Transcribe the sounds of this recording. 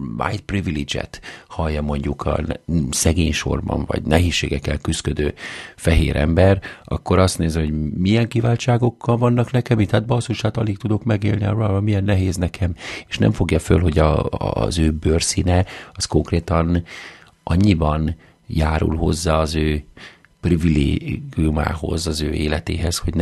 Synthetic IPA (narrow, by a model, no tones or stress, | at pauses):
ma̰jt̪̚privilid͡ʒɛ̰t̪hɒjːɒmo̞ɲɟukʰɒ̰nsɛɡeːɲʃo̞̰rbɒ̰ɱvɒ̰ɟnɛɦeːsʃːeːɡɛkːɛlkyskød̪øːfɛɦḛːɾʔɛ̰mbɛrɒkːo̞ɾɒst̪neːzɛho̞ɟmijɛŋkivaːlt͡ʃaːɡo̞kʰːɒlvɒnːɒknɛkɛmit̪aːt̪̚bɒsuʃaːt̪ɒlikt̪ud̪o̞kmɛɡeːlniɒroabɒmːijɛnːɛɦeːznɛkʰɛme̥ʃnɛ̰ɱfo̞ɡjɒfølɦo̞ɟɒ̰zøːbøːrsiːnɛɒsko̞ŋkreːt̪ɒn | ʔɒɲːibɒn | jaːɾṵlɦo̞zːaːɒzøː | privileːɡiuma̰ːɦo̞̰zɒzøːʔeːlɛt̪ḛːɦɛsho̞ɟn